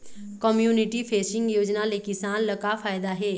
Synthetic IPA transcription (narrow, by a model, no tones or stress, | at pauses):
kɔmjuːnɪʈipʰeːsɪ̃ŋɡjoːd͡ʒnalekɪsaːnlɐkafʰaːjd̪aɦɛː